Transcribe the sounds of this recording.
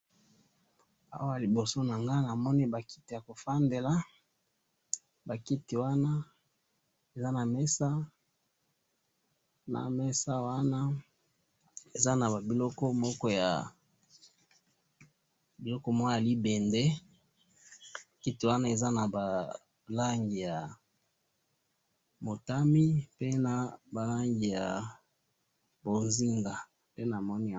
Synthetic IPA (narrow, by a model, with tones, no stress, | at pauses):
a̰˦wa˦a˨li˨bo˨so˦na˨ŋɡa˦na˨mɔ˦ni˦ba˨ki̥˦ti˨ja˨ko˨fa˦nde˨la˦ | ba˨ki˦ti˨wa˦na˦ | e˨za˦na˨mɛ˦sa˦ | na̰˨mɛ˦sa˦wa˦na˦ | e˨za˦na˨ba˨bi˨lɔ˦kɔ˦mɔ˦kɔ˦ja̰˨ | bi˨lɔ˦kɔ˦mwɔ˦a˨li˦be˨nde˦˨ | ki˦to˨wa˦na˦e˨za˦na˨ba˨ | la˦ŋɡi˨ja˨ | mo˨ta˦mi˦pe˦na˨ba˨la˦ŋɡi˨ja̰˨ | bo˨nzi˦ŋɡa˨ | pe˦na˨mɔ˦ni˦˨